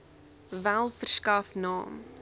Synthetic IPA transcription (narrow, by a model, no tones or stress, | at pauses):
vælˠfərskɐfnɑ̰ːm